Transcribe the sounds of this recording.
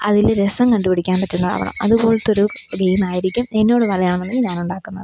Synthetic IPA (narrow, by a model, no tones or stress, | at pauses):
ɐðilɾesɐmkɐɳɖupiɽikʲːaːnʋɐtːunːɐa̰ʋɐ̰ɳɐ̰mɐ̰ðubo̞ːɭt̪ːo̞ɾuɡejmaːjiɾikʲːumenːo̞ːɽɨʋɐlɐjaːɳɐnːɐmːiɲaːnuɳɖaːkːunːɐ̰ðɨ